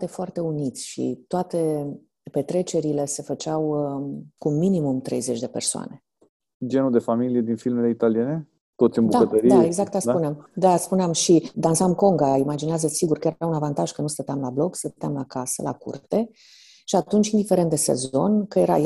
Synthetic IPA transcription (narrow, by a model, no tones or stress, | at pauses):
t̪efoart̪e̞unit̪sʲʃḭt̪oat̪e̞ | pe̞t̪ɾe̞t͡ʃe̞ɾile̞se̞fət͡ʃaw | kuminimumt̪ɾe̞̰jze̞t͡ʃʲd̪e̞persoa̰ne̞ | d͡ʒe̞nud̪e̞familije̞d̪infilmeleit̪alijene̞ | t̪o̞t̪sʲɨnmbud̪aət̪əɾieɡzak̚t̪aspuneamd̪aspuneamʃid̪ansamko̞ŋɡaimad͡ʒineazəsiɡurkəjeɾɾaunavant̪aʒ̥kənust̪ət̪eamlablo̞kst̪ət̪eamlakasə̰lʔa̰kṵrt̪e̞ | ʃiat̪unt͡ʃind̪ifeɾent̪d̪e̞se̞̰zo̞nkəjeɾa̰j